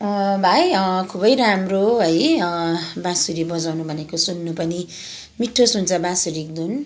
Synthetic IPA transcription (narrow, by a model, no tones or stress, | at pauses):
ʌbʱajʌkʰubʌjɾamroɦʌj | bãsuɾibʌd͡zawnubʱʌnekosunːupʌni | miʈʰːosunt͡sʰʌbãsuɾik̚d̪un